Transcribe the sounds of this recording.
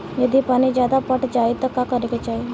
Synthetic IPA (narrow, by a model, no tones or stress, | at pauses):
jəd̪ipaːñid͡ʒjaːd̪apəʈd͡ʒaːit̪əkːakəɾeket͡ʃai